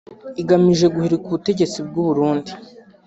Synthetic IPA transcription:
iɡamiʒe̞ɡuhiɾikuβute̞ɟe̞t͡sib̚ɡuβuɾuːndi

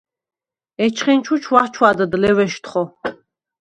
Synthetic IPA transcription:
ɛt͡ʃʰχint͡ʃʰut͡ʃʰwaχt͡ʃʰwad̪əd̪lɛvɛʃt̪χɔ

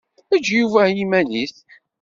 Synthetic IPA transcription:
æd͡ʒjuvæjimæniθ

